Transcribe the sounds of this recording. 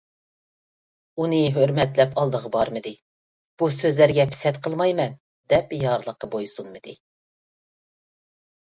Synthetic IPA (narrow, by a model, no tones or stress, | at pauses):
unɨɦøɾmɛt̪lɛpʰɑlˠd̪əʁəbɑɾmɨd̪ɪ | b̥usøzlæɾɡʲɛpʰɪ̥sɛt̪qʰəlˠmɑjmɛn | d̪ɛpjɑɾlˠəqːəbojsunmɨd̪ɪ